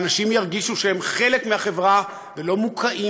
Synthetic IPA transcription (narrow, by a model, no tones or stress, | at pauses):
naʃimjaʁɡiʃuʃehemχe̞le̞kmehaχe̞vʁa | velo̞mukʰaʔi